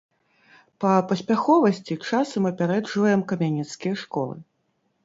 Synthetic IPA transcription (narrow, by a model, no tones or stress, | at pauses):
pɐpɐsʲpʲaxɔvɐsʲt͡sʲit͡ʂasɐmɐpʲaɾɛd͡ʐvɐjɛmkɐmʲanʲit̪skʲijɐʂkɔlˠɨ̰